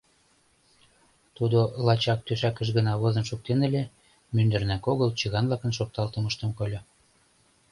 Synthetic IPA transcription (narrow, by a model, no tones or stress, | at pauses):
t̪ud̪olɑt͡ɕɑk̚t̪øʃækə̆ʃ̬ɣənɑβozɤ̆nʃuk̚t̪enə̆lʲe | mynd̪ərnækoɣəlt͡ɕəɣɑnβlɑkə̆nʃok̚t̪ɑlt̪əməʃt̪əmkolʲo